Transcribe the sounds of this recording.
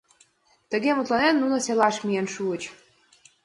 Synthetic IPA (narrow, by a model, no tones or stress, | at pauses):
t̪ə̆ɣemut̪lɑnenːunŏselɑʃmienʃuət͡ɕ